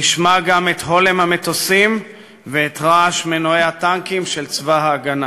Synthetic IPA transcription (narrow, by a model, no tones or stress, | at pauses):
niʃmaɡamet̪ɦo̞lemhame̞t̪osim | veːt̪ʁaaʃmenoejhat̪aŋkimʃe̞lt͡svaɦaːɡana